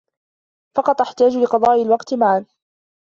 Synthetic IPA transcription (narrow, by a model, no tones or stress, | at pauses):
fɑqɑt̪ˤʔaħt̪aːd͡ʒlɪqɑðˤɑːʔɪlwɑqt̪maʕan